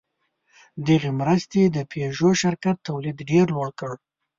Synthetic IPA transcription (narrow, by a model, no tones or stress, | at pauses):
d̪əɣemɾəst̪ed̪əpʰeʒoʃɪɾkat̪ːawlid̪ɖeɾlwəɽkəɽ